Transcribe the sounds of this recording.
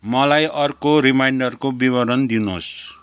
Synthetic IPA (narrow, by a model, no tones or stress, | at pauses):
mʌlajʌrkoɾimajɳɖʌrkobibʌɾʌnd̪inos